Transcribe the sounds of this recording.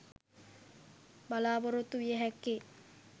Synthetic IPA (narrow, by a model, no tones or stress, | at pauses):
balaːboɾot̪ːuʋijəɦɛkːe